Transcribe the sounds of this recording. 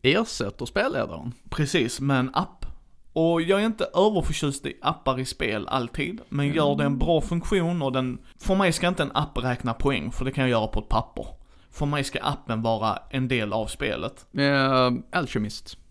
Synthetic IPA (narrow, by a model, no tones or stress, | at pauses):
eːɾsɛt̪ːəɾspeːlːḛːd̪a̰ɾə̰npʰɾɛsiːsmɛnapː | ɔjɑːɡæɾɪnt̪əʔøːvəɾfœɕʉ̟ːst̪ɪ̰ʔapːaɾɪspeːla̰lt̪ʰiːd̪mɛnjœːɖɛːnbɾɑːfɵŋkɧuːnɔd̪ɛnfœɾmɛjskaɪnt̪əɛnʔapːɾɛːknapʰɔɛ̰ŋːfœɖɛkʰanjɑjœːɾapʰɔɛt̪̚pʰapːə̰ɾ | fœɾmɛjska̰ʔapːənvɑːɾa̰ʔɛnd̪eːla̰vspḛːlʔə̰t̪ | ʔalʃɛmɪst̪